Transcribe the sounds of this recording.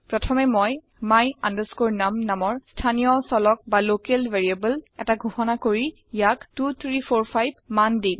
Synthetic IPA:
pɹɔtʰɔmɛmɔj | majandəskoɹnamnamɔɹstʰanijɔsɔlɔk̚balokelveɹiebəlɛtaɡʱuxɔnakoɹi | jaktut̪ʰɹipʰoɹpʰajb̚mandĩŋ

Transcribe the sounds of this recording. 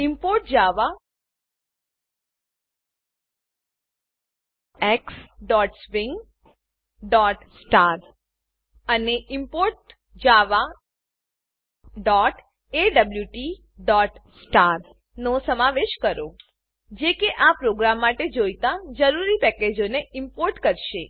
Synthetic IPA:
ɪmpoɾʈd͡ʒaʋa | ɛksɖɔʈspɪŋɡ | ɖɔʈsʈaɾ | əneʔɪmpoɾʈ | d͡ʒaʋa | ɖɔʈ | eɖəbljuʈi | ɖɔʈsʈaɾ | nosəmaʋeʃkəɾo | d͡ʒekeʔapɾoɡɾamːaʈed͡ʒojt̪ad͡ʒəɾuɾipɛked͡ʒoneɪmpoɾʈkəɾʃe

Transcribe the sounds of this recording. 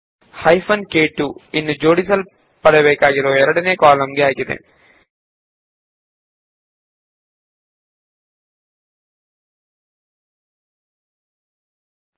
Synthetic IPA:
hɐjfʰɐnkeːʈːuinːud͡ʒoːɽis̬ɐl | pɐɽɛɐbeːkaːɡiɾoːɛɾɐɽɐneːkaːlɐmɡeaːɡid̪ḛ

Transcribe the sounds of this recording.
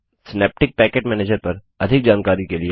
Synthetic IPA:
sɪneːp̚ʈɪk̚pɛːkeːʈmɛ̃ːneːd͡ʒəɾpɐɾ | ɐd̪ʱɪk̚d͡ʒaːnkaːɾikelie

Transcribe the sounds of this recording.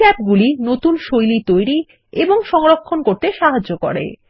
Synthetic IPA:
ɛp̚ɡulinot̪unʃojlit̪ojɾi | eboŋʃɔŋɾokʰːonkoɾt̪eʃaɦad͡ʑoko̰ɾḛ

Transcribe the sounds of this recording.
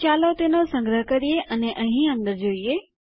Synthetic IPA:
t͡ʃalot̪enosə̃ŋɡɾəɦəkəɾijeʔəneʔəɦĩə̃nd̪əɾd͡ʒoie

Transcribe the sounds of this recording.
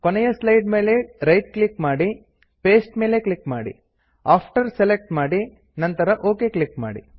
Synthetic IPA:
konɛjɐslɐjɖme̞ːle̞ɾɐjʈ̚klikmaːɽi | pe̞ːsʈme̞ːleklikma̰ːɽḭ | aːpʰʈɐɾselek̚ʈmaːɽi | nɐnt̪ɐɾɐʔo̞ːke̞ːklikma̰ːɽḭ

